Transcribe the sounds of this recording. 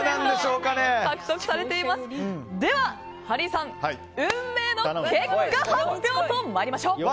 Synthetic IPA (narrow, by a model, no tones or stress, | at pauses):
nãnd̪eɕoːkanekakɯ̟̥t̪ːo̞kɯ̟saɾe̞t̪e̞imasɨ̥d̪e̞βa | haɾʲisãŋ | ɯ̟̃mːe̞ːnokekkːahat̪jo̞ːt̪omaɾʲimaɕo̞ː